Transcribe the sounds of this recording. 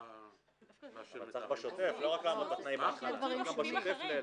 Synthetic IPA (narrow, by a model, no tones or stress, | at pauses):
at͡saχbaʃot̪efloʁaklamot̪at̪naimaχɡabaʃot̪efl